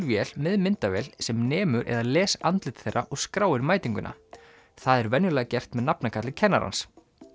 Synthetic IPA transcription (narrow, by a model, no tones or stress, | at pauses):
vjɛl̥mɛðmɪnt̪avɛlsɛmnɛːmʏɾʔɛ̰ðalɛːsant̪lɪt̪θejrːaʔɔɣskɾaːwɪɾmaːjt̪iŋkʏnʔa̰ | θaðɛɾvɛnjʏlaɣacɛr̥t̪mɛðnapnakʰat̪lɪcʰɛnːaɾa̰ns